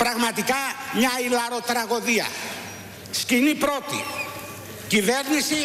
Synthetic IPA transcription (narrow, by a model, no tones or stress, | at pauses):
pɾɐɣmɐt̪ikɐmɲɐilɐɾo̞t̪ɾɐɣo̞ðiɐ̰ | scinipɾo̞t̪ḭ | civeɾnisi